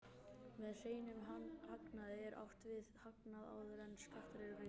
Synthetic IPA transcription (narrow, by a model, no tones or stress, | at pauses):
mɛðr̥eːjnʏmɦanhaknaðɪɛɾʔa̰wht̪vɪðhaknaða̰wðɾɛnːskaht̪ɾeɾʏrɪ